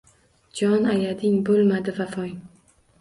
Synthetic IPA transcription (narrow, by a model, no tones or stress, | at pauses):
d͡ʒɒnajad̪ɪŋbolˠmad̪ɪvafɒŋ